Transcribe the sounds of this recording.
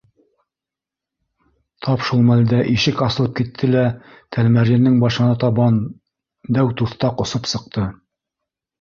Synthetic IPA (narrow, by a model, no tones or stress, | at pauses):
t̪ʰɑpʃulˠmæld̪æʔiʃɘkɑsɤ̆lˠɤp̚kit̪ʰːɘlæ | t̪ʰælmæɾjɘ̆nːɘŋbɑʃɤ̆nɑt̪ɑβɑn | d̪æwt̪uθt̪ɑqŏsɤpsɤ̆q̚t̪ɤ